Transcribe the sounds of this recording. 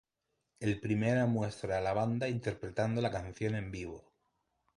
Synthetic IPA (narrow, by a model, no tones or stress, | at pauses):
e̞lpɾimeɾamwe̞st̪ɾaːlaβ̞and̪aint̪e̞ɾpɾe̞t̪and̪o̞lakan̟θjo̞nẽ̞mbiβo̰